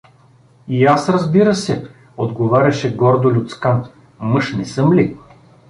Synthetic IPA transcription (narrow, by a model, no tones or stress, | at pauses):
iasɾɐzbiɾəsɛ | od̪ɡovaɾʲɐʃɛɡɔɾd̪olʲʊt̪skan | mɤʃnɛsɤmlʲi